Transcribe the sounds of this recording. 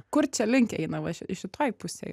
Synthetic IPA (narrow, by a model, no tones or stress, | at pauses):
kʊɾt͡ʃʲɛlʲɪŋʲkʲɛ̰ɪnɐʋɐʃɪʃʲɪt̪oːjpʊsʲɛ̰